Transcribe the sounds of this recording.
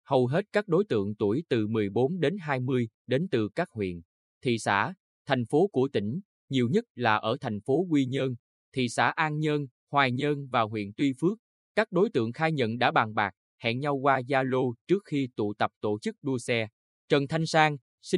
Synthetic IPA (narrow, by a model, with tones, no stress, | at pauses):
hə˨˩wɦe˦˥t̚kaː˦˥k̚ɗo˨˦jt̪ɨ̰˧˨əŋt̪u˧˩əjt̪ɨ˨˩mɨ˨˩əjɓo˨˦nɗe˨˦nɦaː˧jmɨ˧əj | ɗe˨˦nt̪ɨ˨˩kaː˦˥k̚hwḭ˧˨ən | t̪ʰḭ˧˨sa̰ː˧˥ | t̪ʰɛ˨˩jŋ̟fo˨˦ku˧˩ət̪ï˧˩ŋ̟ | ɲi˨˩əwɲə˦˥t̚laː˨˩ʔəː˧˩t̪ʰɛ˨˩jŋ̟fo˨˦kwi˧ɲəː˧n | t̪ʰḭ˧˨sa̰ː˧˩ʔaː˧nɲə˧n | hwaː˨˩jɲəː˧nvaː˨˩wɦwḭ˧˨ənt̪wi˧fɨ˦˥ək̚ | kaː˦˥k̚ɗo˨˦jt̪ɨ̰˧˨əŋxaː˧jɲə̰˧˨nɗa̰ː˧˥ɓaː˨˩ŋɓaː˨˩k̚ | hɛ̰˧˨ŋɲa˧wkwaː˧zaː˧lo˧t͡ɕɨ˦˥ək̚xi˧t̪ṵ˧˨t̪ə˨˩p̚t̪o˧˩t͡ɕɨ˦˥k̚ɗu˧əsɛ˧ | t͡ɕə˨˩nt̪ʰa˧jŋ̟saː˧ŋ | si˧